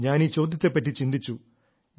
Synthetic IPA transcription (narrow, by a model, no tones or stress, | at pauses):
ɲaːniːt͡ɕoːd̪it̪ːepːeʈ̬ːit͡ɕind̪it͡ɕːu | ɲ